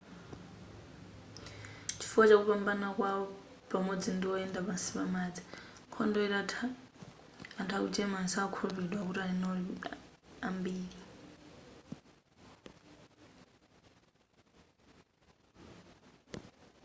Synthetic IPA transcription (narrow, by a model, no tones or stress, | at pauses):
t͡ʃʰi̥fuat͡ʃakupambanakwawɔ | pʼamod͡zindiɔɛndaβasiβamaːd͡zi̥ | kʰɔndɔiɾa | antʰakut͡ʃɛmansakʰoβidwakuɾanɔli | ambiːɺi